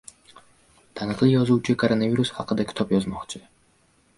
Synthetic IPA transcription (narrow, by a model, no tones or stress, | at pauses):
d̪̥anaklˠiɔzut͡ʃʰikʼɔɾɔnaviɾusa̰qəd̪ɛkʰt̪ʰɔpjɔzmɔχt͡ʃʰi